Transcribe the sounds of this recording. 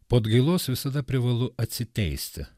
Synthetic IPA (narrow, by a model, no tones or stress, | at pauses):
poːd̪ɡɐɪlˠoːsʋʲɪsɐd̪ɐpʲɾʲɪʋɐlˠʊɐt̪ʲsʲɪt̪ʲɛɪsʲt̪ʲɪ̰